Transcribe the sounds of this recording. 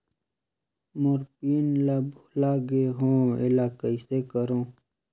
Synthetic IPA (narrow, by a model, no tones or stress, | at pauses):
moɾpiːnlablaːɡeɦõːɪlaːkəisekəɾõː